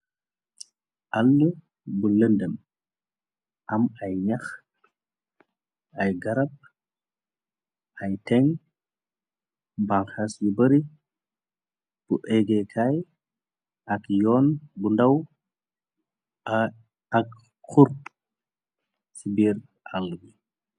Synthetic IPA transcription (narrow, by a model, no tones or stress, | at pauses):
ʔɐlːu | buləndəm | ʔɐmɐjɲɐx | ʔɐjɡɐɾɐp̚ | ʔɐjtɛŋ | baŋxasjubəɾi | b̥uʔɛɡɛkʰaj | ʔɐkjɔːnbundɐw | ɐk | kuɾp | sibiːɾ | ʔalːuɡi